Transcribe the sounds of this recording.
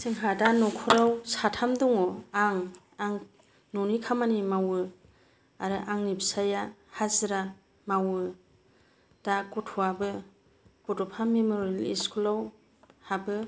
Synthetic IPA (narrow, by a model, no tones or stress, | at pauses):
siŋɦadanɔkʰɔɾawsatʰamduŋɔaŋ | aŋ | nɔnikʰamanimawɯ | aɾɯʔaŋnibsajahaziɾa | mawɯ | d̥akɔtʰuabɯ | b̥ɔtɔpʰamemoɾelḭskʰulaw | habɯ